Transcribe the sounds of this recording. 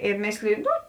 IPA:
ɪ ˈmʲeːsʲlʲɪjʊ ˈnʊ

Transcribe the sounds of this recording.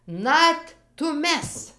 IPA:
ˈnɐt tʊˈmʲɛs

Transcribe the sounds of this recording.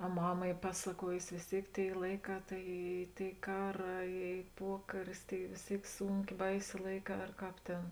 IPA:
ɐ ˈmɑːmɐ ˈiː ˈpɑːsɐˌkuɔjʊsʲɪ ʋʲeːs ˈtʲeːɪk ˈtʲeːɪ ˈlˠɐɪˌkɑː ˈtɐɪ ˈiː ˈtʲeːɪ ˈkɑːˌrɑː ˈiː ˈpuɔkɐrʲɪs tɐɪ ʋʲeːs ˈtʲeːɪk ˈsuːŋʲkʲeː ˈbɐɪsʲeː ˈlˠɐɪˌkɑː ɐr ˈkɑːp ˈtʲeːn

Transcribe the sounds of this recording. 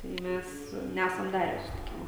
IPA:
tɐɪ ˈmʲæs ˈnʲæsɐm ˈdɑːrʲæː sʊsʲɪtʲɪˈkʲɪmoː

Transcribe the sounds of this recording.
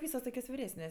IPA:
ˈʋʲiːsoːs ˈtoːkʲoːs ʋʲɪˈrʲæːsʲnʲeːsʲ

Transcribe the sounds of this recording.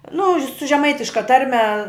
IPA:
nʊ ʃʲ sʊ ʒʲɛˈmɐɪtʲɪʃkɐ ˈtɐrʲmʲɛ

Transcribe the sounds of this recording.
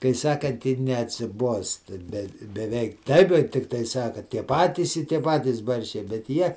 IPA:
kɐɪ ˈsɑːkɐnt ɪr nʲɛɐtʲsʲɪˈbuɔstɐ bʲɛt bʲɛˈʋʲɛɪk ˈtɐɪp jɛʊ ˈtʲɪktɐɪ ˈsɑːkɐ ˈtʲiɛ ˈpɑːtʲiːs ɪ ˈtʲiɛ ˈpɑːtʲiːs ˈbɐrʲʃʲt͡ʃʲɛɪ bʲɛt ˈjiɛ

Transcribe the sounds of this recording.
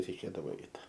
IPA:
rʲɛɪˈkʲeːdɐʋoː ˈɛɪt

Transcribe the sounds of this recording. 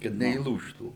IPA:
kɐt nʲɛiːˈlˠuːʃtuː

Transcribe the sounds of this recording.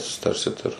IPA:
sʊsʲɪˈtɐrʲsʲɪt ɪr

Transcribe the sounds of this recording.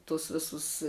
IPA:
tʊs ˈʋʲɪsʊs

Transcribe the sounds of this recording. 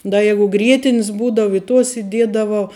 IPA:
ˈdɐ ˈjæːɡʊ ˈɡrʲiɛtʲɪnʲɪs ˈbuːdɐʋɐ ɪ tuɔs ɪˈdʲiɛdɐʋɐʊ

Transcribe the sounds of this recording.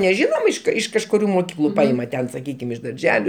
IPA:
nʲɛˈʒʲɪnoːm ɪʃ ˈkɐɪ ɪʃ kɐʃkʊˈrʲuː moːˈkʲiːklˠʊ ˈpɐɪmɐ ˈtʲɛn sɐˈkʲiːkʲɪm ɪʃ dɐrʲˈʒʲæːlʲʊ

